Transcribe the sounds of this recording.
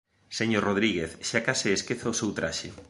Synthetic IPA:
seɲoroð̞ɾiɣeθʃakasɪeskeθaosewt̪ɾaʃe

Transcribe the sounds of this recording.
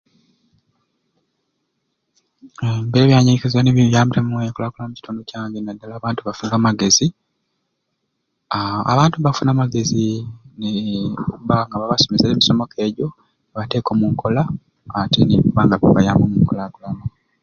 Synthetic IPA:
embeβjaːɲikezaneβiβjaːmbiɾamuekolakulamuci̥tʰuːndocaːŋɡenadːalaːβaːntuβafuŋɡamaɡe̞zi | aa̰βaːntuβafunamaɡe̞zineuβaŋɡaβaβaso̞meseleːmiso̞mo̞kʰe̞ːɟo̞ | βate̞ːko̞muŋkʰo̞laː | teniβuβaŋɡaβaβajaːmbomuŋkolakulama

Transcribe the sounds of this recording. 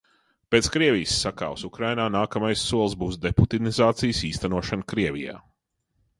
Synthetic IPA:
peːt̪skɾiɛvʲijsːaka̰ːwsukɾajnaːnaːkɐmajsːuɔlˠsbuːsd̪eput̪inizaːt̪sijsiːst̪anuɔʃankɾiɛvʲija̰ː

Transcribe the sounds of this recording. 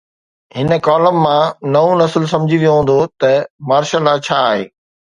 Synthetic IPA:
ɦɪnə̆kaːləmːãnɐõnɐsəlsɐ̃md͡ʑʱiʋijoɦũːn̆d̪ot̪ɐmaːɾʃəlːat͡ɕʰaːɦḛː

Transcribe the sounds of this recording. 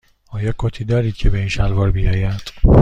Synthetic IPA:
ɒːjɒkʰot̪ʰiːd̪ɒːɾiːd̪̥̚cʰebeiːnʃælvɒːɾbijɒːjæd̪̥

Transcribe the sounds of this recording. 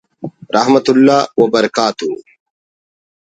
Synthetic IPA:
ɾɐhmɐt̪ulːaːwɐbɐɾɐkaːt̪u

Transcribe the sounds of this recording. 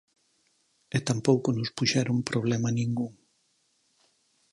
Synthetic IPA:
et̪ampowkonʊspuʃɛɾompɾoβ̞lɛmɐnĩŋɡuŋ

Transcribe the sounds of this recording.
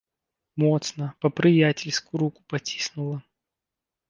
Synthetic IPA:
mɔt̪snəpəpɾʲɪjatʲɪlʲskʊɾukʊ̥pɐtʲi̥snʊlˠə

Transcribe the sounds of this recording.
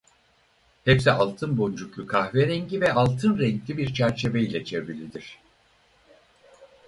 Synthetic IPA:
hɛpsiʔalˠt̪ʰɯnbo̞nd͡ʒukukʰahvɛɾɛɲɟivɛalˠt̪ʰɯnɾɛɲklʲibiɾt͡ʃʰæɾt͡ʃʰe̞vejilʲɛt͡ʃʰevilʲid̪iɾ̝̥

